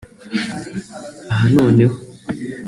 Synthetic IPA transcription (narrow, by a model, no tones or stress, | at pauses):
aɦano̞ːne̞ho